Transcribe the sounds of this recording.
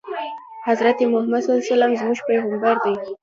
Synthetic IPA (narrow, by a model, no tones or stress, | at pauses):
hazɾat̪emʊhmad̪salsalamzmuʒpeɣambaɾd̪aj